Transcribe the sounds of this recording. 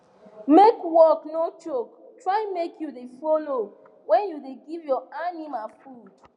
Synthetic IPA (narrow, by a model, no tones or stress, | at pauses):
mekwɔknot͡ʃok | tʰɹajmekʰjuðefɔlo | wɛ̃njudeɡivjɔanimalfud